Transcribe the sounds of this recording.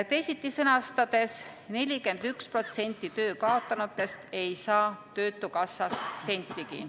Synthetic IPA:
t̪esit̪ːˑisɤnɑst̪ɑd̪̥e̞s | ne̞lʲike̞nd̪̥ykspro̞t̪se̞nʲt̪ːˑit̪ø̞ːkɑo̞t̪ːˑɑnut̪ːˑe̞st̪e̞jsɑːt̪ø̞ːt̪ːˑukɑsːɑsːe̞nʲt̪ˑːiɡḭ

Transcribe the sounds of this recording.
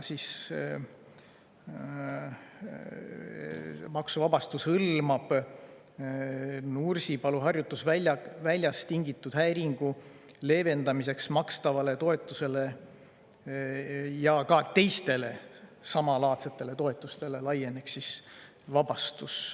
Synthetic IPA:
sis | mɑksuvɑb̥ɑst̪ushɯlmɑb̥ | nursipɑluɦɑrjut̪ːˑusvæɑvælʲjɑst̪iŋɡit̪ːˑud̪̥hæjɾiŋɡ̥u | le̞ve̞nd̪ɑmise̞ksmɑkst̪ɑvɑle̞t̪o̞e̞t̪ːˑuse̞le̞ | jɑkɑt̪e̞jst̪e̞le̞sɑmɑlɑːt̪set̪ːˑe̞le̞t̪o̞e̞t̪ːˑust̪e̞le̞lɑje̞ne̞ksːis | vɑbɑst̪us

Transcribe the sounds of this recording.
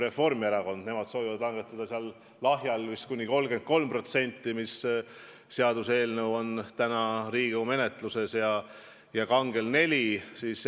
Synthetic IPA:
ɾe̞fo̞rmeɾɑko̞nd̪̥ne̞mɑd̪̥soːvivɑd̪lɑŋɡ̥e̞t̪ːˑɑd̪̥ɑseɑl | lɑɦjɑlvist̪kunʲːiko̞lɡ̥e̞nt̪̚ko̞lmpro̞t̪se̞nʲt̪ˑːimisː | eɑd̪̥use̞ːlnewo̞nt̪ænɑɾiːɡ̥ume̞net̪ˑluse̞sjɑ | jɑkɑŋɡe̞lne̞lʲisiːs

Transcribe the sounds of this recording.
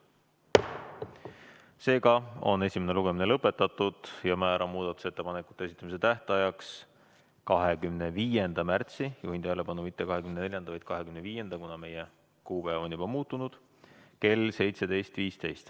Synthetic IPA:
se̞ːɡɑo̞̰ne̞sʲimene̞luɡe̞minelɤpːˑe̞t̪ːˑɑt̪ːˑud̪̥jɑmæːɾʔɑmuːd̪̥ɑt̪ːˑu̥se̞t̪ːe̞pɑnekːˑu̥t̪ːˑees̬ʲi̥t̪ːˑɑmise̞t̪æht̪ɑjɑks | kɑɦekymne̞viːje̞nd̪̥ɑmært̪sijuɦint̪æle̞bɑnumit̪ːe̞kɑɦe̞kymnene̞lʲjɑnd̪ɑvɑjd̪̥kɑɦe̞kymneviːje̞nd̪̥ɑkunɑme̞je | kuːb̥eːvo̞njubɑmuːt̪ːˑunud̪̥ | ke̞lse̞jt̪se̞d̪e̞jst̪viːst̪e̞jst̪

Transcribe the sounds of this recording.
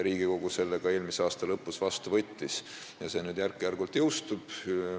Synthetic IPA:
ɾiːɡiko̞ɡuse̞lːeɡ̥ɑe̞ːlmiseɑːst̪ɑlɤpːusvɑst̪uvɤ̞t̪ʲːis | jɑse̞ːnyːd̪jærkːijærɡult̪ːˑjɤwst̪ub̥

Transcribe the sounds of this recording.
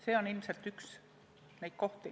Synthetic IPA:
seːo̞nilmselt̪yks | nejt̪̚ko̞ht̪i

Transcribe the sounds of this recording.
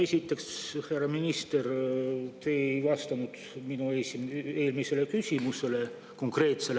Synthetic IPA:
e̞sʲit̪ːˑe̞ksherɑminist̪e̞rt̪e̞ːejvɑst̪ɑnud̪̥ | minuesieːlmise̞le̞kysʲimuse̞le̞ | ko̞ŋkre̞ːt̪se̞l

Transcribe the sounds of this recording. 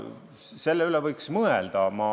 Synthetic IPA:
se̞lːeylevɤjksmɤeld̪ɑmɑː

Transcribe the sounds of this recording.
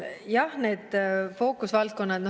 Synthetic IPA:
jɑhne̞ːd̪̥fo̞ːkːˑusvɑlt̪̚ko̞nːɑt̪d̥̪no

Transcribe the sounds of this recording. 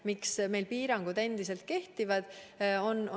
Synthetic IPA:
miksme̞jlpiːɾɑŋɡ̥ud̪̥e̞nd̪̥ise̞lt̪̚ke̞ht̪ivɑd̪̥o̞nː

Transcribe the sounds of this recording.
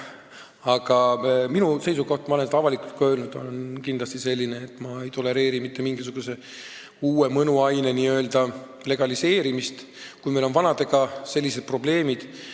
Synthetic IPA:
ɑɡ̥ɑminuse̞jsuko̞ht̪mɑoensɑvɑlikult̪̚kø̞ːlnud̪̥o̞̰lenkind̪lɑst̪ise̞lʲːine̞ːt̪ːˑmɑe̞jt̪o̞le̞ɾe̞ːɾimit̪ːe̞miŋɡ̥is̬uɡ̥use̞ | uːe̞mɤnuɑjneniø̞ːld̪ɑ | le̞ɡ̥ɑlise̞ːɾimist̪ | kujme̞lo̞nvɑnɑd̪̥e̞ɡ̥ɑse̞lːise̞d̪̚pro̞ble̞ːmid̪̥

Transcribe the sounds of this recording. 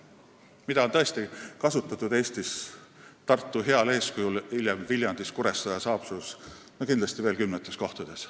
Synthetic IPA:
mid̪̥ɑonɤ̞e̞st̪ikɑsut̪ːˑɑt̪ːud̪eːst̪is | t̪ɑrt̪ːuɦe̞ɑle̞ːskujulilʲjemvilʲjɑnd̪̥iskuɾest̪ɑjɑsɑːpsus | nokind̪lɑst̪ive̞ːlkymnet̪ːˑe̞sko̞ht̪ud̪̥e̞s

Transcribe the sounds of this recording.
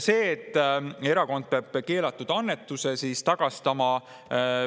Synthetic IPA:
se̞ːt̪ːˑe̞ɾɑko̞nd̪̥̚peɑb̥̚ke̞ːlɑt̪ːˑud̪̥ɑnːet̪ːˑuse̞siːst̪ɑɡ̥ɑst̪ɑmɑ

